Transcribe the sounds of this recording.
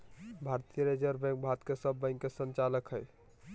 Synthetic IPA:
bʱaɾt̪ijəɾed͡ʒəɾbɛ̃ŋk̚bʱat̪kesəbːə̃ɪ̃ŋkːesənt͡ʃaləkɦəj

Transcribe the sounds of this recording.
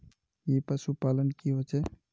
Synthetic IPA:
jepəsupalənkiɦot͡ʃʰɛ

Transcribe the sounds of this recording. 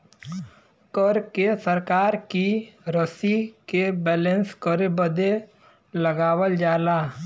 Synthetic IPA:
kəɾkesəɾkaːɾkiɾəsikebɛːlə̃nskəɾebəd̪e | ləɡaːwəld͡ʒaːlaː

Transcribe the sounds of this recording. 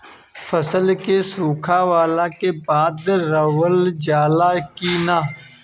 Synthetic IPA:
fəsəlkesuːkʰaːʋaːlãːkeːbaːd̪ɾəwəld͡ʒaːlaːkiːnaː

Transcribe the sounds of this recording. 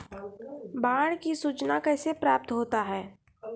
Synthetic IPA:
baːɽ̃kisuːt͡ʃnakɛːsepɾaːp̚t̪ɦoːt̪aɦɛː

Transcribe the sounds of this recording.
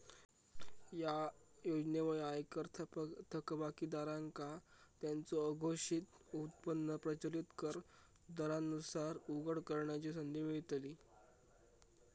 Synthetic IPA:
jajod͡ʑneʋəɭiajkəɾt̪ʰt̪ʰəkbakiːd̪aɾaŋkat̪jant͡soəɡʱoʂit̪ut̪̚pənːəpɾət͡ɕəlit̪kəɾ | d̪əɾanusaɾuɡəɽkəɾɳjat͡ɕis̬ənd̪ʱimiɭit̪liː

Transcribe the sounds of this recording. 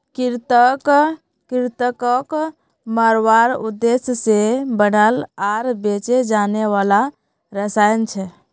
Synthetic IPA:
kiɾt̪ək | kiɾt̪əkək | məɾwaɾud̪ːesjəsebənəlaɾbet͡ʃed͡ʒaneʋala | ɾəsajnt͡ʃʰɛ

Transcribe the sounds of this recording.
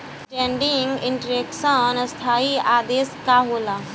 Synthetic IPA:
ʈẽːɳɖɪŋɡɪɳʈəɾeːksənst̪ʰaːiaːd̪eːskaːɦoːlaː

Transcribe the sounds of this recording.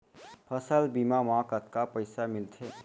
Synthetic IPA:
pʰəsəlbiːmamãːkət̪̚kapəɪsamɪlt̪ʰeː

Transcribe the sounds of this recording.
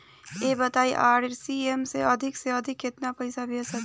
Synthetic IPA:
ebət̪aiʔaɾɾsiemseəd̪ʱikseəd̪ʱɪkːet̪napəɪsabʱesək

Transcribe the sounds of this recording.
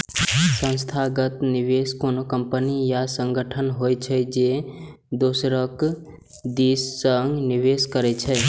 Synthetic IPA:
sə̃nst̪ʰaɡət̪niʋeskonokəmpənijasə̃ŋɡəʈʰənɦojt͡ʃʰəd͡ʒe | d̪osɾək | d̪isːəŋɡniʋeskəɾɛt͡ʃʰɛ

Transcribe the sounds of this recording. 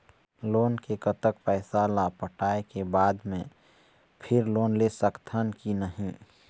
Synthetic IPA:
loːnkekət̪ək̚pɛːsalapəʈaːekebaːd̪mḛ̃ | pʰɪɾloːnlesəkt̪ʰənkinəɦĩ

